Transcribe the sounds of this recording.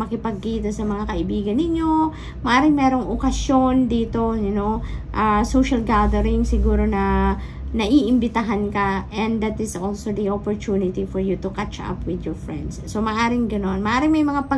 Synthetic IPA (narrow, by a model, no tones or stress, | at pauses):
mɐkɪpɐɡ̚kiːt̪ɐsɐmɐŋakɐʔɪbiːɡɐnːɪɲjo̞ | mɐʔaːɾɪŋmɛːɾo̞ŋʔokɐsjo̞nd̪iːt̪o̞jʊnoʔasowʃɐlɡad̪ɛɾɪŋsɪɡuːɾo̞nɐ | nɐʔiːʔɪmbɪt̪ɐɦankɐʔɛ̃nd̪d̪ɐt̪ɪsʔolsod̪ɐʔopoɹt̪unɪt̪ifɔɹjut̪ukat͡ʃa̰pwɪd̪jɔɹfɹɛ̰̃nd̪sːomɐʔaːɾɪŋɡɐno̞nmɐʔaːɾɪŋmɐjmɐŋapɐ